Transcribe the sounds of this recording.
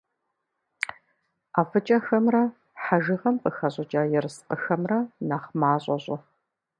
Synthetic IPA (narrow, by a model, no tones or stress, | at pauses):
aːfɨt͡ʃʼɐxɐmrɐ | ħaʒɪʁɐmpʼɨxɐʑʷʼʊt͡ʃʼaːjɛrɨsqʼəxɐmrɐnaːχmaːɕʼɔɕʼʊ